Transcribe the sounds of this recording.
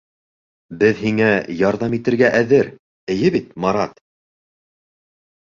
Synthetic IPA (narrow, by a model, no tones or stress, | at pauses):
bɘðɦiŋæjɑɾðɑmit̪ɘ̆ɾɡæʔæðɘɾ | ɘ̆jɘβit̪̚mɑɾɑt̪